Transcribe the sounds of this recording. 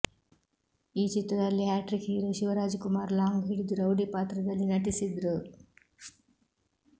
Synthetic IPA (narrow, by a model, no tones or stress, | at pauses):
iːt͡ʃit̪ɾɐd̪ɐlːiɦaːʈɾikɦiːɾuʃiʋɐɾaːd͡ʒkumaːɾlaːŋɡɦiɽid̪uɾɐwɖipaːt̪ɾɐd̪ɐlːinɐʈisid̪ɾu